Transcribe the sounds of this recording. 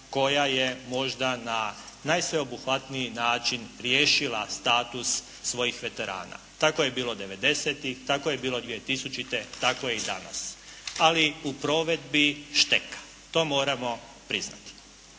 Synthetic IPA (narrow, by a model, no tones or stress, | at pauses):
ko̞jajemo̞ʒd̪ananajsʋe̞o̞buxʋat̪nijinaːt͡ʃinɾjeːʃilast̪aːt̪usː | ʋo̞jixʋe̞t̪e̞ɾa̰ːna̰t̪ako̞jebiːlo̞d̪e̞ʋe̞d̪e̞set̪ixt̪akoje̞biːlo̞d̪ʋije̞t̪isut͡ʃit̪e̞t̪ako̞jeid̪ana̰saliupɾo̞ʋe̞d̪biʃt̪ekḁ | t̪o̞ːmo̞ːɾamo̞ | pɾizna̰t̪i̥